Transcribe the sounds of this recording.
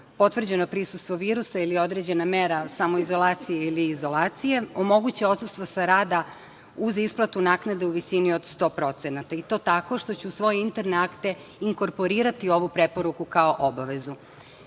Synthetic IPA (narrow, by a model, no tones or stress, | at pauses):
po̞t̪ʋr̩d͡ʑe̞no̞pɾisust̪ʋo̞ʋiːɾusailio̞d̪ɾe̞d͡ʑe̞nameɾasamo̞izo̞lˠaːt̪sijeiliːzo̞lˠaːt̪sije̞omo̞ɡut͡ɕeo̞t̪sust̪ʋosaɾaːd̪a | uzisplˠat̪unaːknad̪euʋisinio̞d̪st̪o̞ːpɾo̞t̪senat̪ait̪o̞ːt̪ako̞ʃt̪o̞t͡ɕusʋo̞jeint̪eɾneakt̪e̞ | iŋko̞ɾpo̞ɾiːɾat̪io̞ʋupɾe̞po̞ɾukukao̞ʔobaʋe̞zu